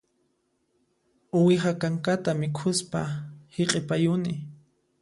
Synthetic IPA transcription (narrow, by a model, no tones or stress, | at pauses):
ʊwɪχakaŋkat̪amɪkʰʊspa̰heqʼɪpajʊnɪ